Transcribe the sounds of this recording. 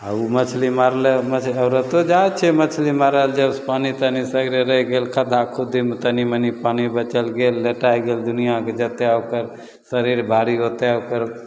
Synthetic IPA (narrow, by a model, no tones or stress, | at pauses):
aumət͡ʃʰlimaɾlemət͡ʃʰəʊɾət̪od͡ʒat͡ʃʰɛmət͡ʃʰlimaɾəld͡ʒəspanit̪ənisəɡɾeɾəɦɡelkʰəd̪ʱakʰud̪imt̪ənimənipanibət͡ʃəlɡelːeʈajɡeld̪unijaked͡ʒət̪eokəɾ | səɾiɾbʱaɽiɦot̪eokəɾ